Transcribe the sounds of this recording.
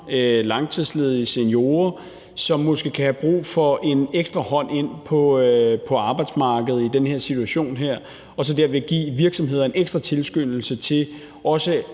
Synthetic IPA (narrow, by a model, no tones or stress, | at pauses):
lɑ̈ŋt͡sʰiðˠsleð̞ˠiisenjo̝ːɐ | sɒ̽mːo̽sɡ̥e̝kʰæhæb̥ʁṵːfɒ̽ʔe̝neɡ̥sd̥ʁɐhɒ̽n̰e̝n̰pʰɒ̽pʰɒ̽ɑ̈ːb̥ɑ̈ɪd̥smɑ̈ːɡ̥əð̞̩ˠid̥enheɐ̰sit͡sʰuæɕo̝̰ːnɦeɐ̰ | ɒ̽sɒ̽d̥æɐ̰ʋe̝ɡ̥ḭːʋiɐɡ̥sɒ̽mɦe̝ð̰ˠɐe̝neɡ̥sd̥ʁɐt͡sʰe̝lsɡ̥øn̰l̩sət͡sʰe̝l | ɒ̽sə